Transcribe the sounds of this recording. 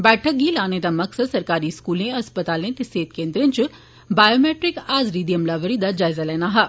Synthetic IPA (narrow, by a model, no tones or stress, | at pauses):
bɛːʈʰək̚ɡilaːned̪amɐksəd̪sɐɾkaːɾiskuːlẽɐspət̪aːlẽt̪ɪseːt̪̚kẽːnd̪ɾẽnt͡ʃ | baːjoːmeːʈɾɪkaːzɾid̪ijɐmlaːʋəɾid̪ad͡ʒaːɪzalɛːnaɦaː